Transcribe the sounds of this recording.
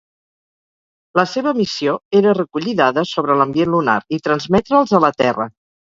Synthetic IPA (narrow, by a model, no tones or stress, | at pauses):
ləseβəmisioeɾərəkuʎiðaðəsoβ̞ɾələmbienluna̰ɾit̪ɾənzmɛt̪ɾəːlˠzələt̪ɛ̰rə̰